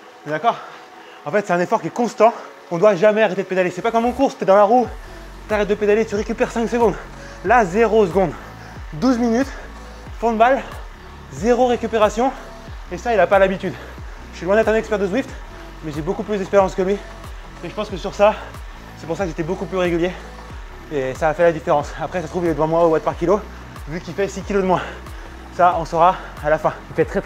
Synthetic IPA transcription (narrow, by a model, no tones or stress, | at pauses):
ɛd̪akɔːʁ | ɑ̃fɛt̪sɛt̪ɛ̃nefɔʁkʲiɛkɔ̃st̪ɑ̃ | ɔ̃d̪waʒamɛaʁet̪ed̪əped̪aljesɛpakɔ̃mɔ̃kuʁst̪yɛd̪ɑ̃laʁu | t̪aʁɛt̪̚d̪əped̪alet̪yʁekʲypɛʁsɛ̃ksəɡɔ̃d̪ | lazeʁosəɡɔ̃d̪ | d̪uzminyt̪ | fɔ̃d̪əbal | zeʁoʁekʲypeʁasjɔ̃ | esailapalabit̪yd̪ | ʒə̥sɥilwɛ̃d̪ɛt̪χɛ̃nɛkspɛʁd̪əswift̪ | mɛʒebokuplyszd̪ɛkspeʁjɑ̃skəlɥi | eʒəpɑ̃skəsyʁsa | sɛpuʁsakəset̪ɛbokuplyʁeɡʲylje | esaːfɛlad̪ifeʁɑ̃sapχɛsat̪χuviɛd̪əvɑ̃mwaobwat̪̚paʁkʲilo | vykʲifɛsikʲilod̪əmwɛ̃ | saɔ̃sɔʁa | alafɛ̃ipɛt̪χɛ